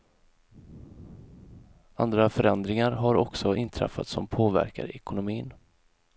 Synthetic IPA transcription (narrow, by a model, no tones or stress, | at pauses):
and̪ɾafœɾɛnd̪ɾɪŋaɾɦaɾɔksɔɪnt̪ʰɾɛ̰fːat̪sɔmpʰoːvæ̰ɾka̰ɾɛkʊnʊmiːn